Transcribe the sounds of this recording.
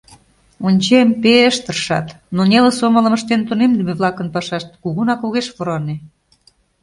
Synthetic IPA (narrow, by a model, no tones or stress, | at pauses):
unʲt͡ɕempeəʃt̪ərʃɑ̰t̪ | nonʲeləsomə̆lə̆mə̆ʃt̪ent̪unemd̪əmeβlɑkə̆npɑʃɑʃt̪̚kuɣunɑkoɣeʃβoɾoɑne